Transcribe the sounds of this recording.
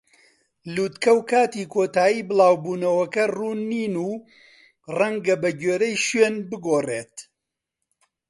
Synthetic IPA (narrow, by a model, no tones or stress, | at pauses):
luːt̪kɐwkaːt̪iːkʰoːt̪aːjiːbɨlˠaːwbuːnɐwɐkɐruːnːiːnuː | rɐŋɡɐbɐɟeːɾɐjʃweːnbɨɡoːreːt̪